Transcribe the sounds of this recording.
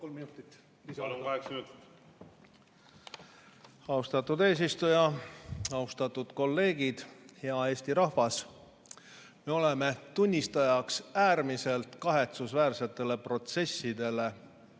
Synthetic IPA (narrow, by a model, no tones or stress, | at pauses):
kolminut̪ˑit̪ː | lkɑeksminut̪ːi̥t̪ | ɑust̪ɑt̪ːˑud̪e̞ːs̬ist̪ujɑ | ɑust̪ɑt̪ːˑud̪̥ko̞lːe̞ːɡid̪̥he̞ɑe̞ːst̪iɾɑhvɑs | meo̞le̞me̞t̪unʲːist̪ɑjɑksæːrmise̞lt̪kɑɦe̞t̪susvæːrse̞t̪ːˑe̞le̞pro̞t̪se̞sːid̪e̞le̞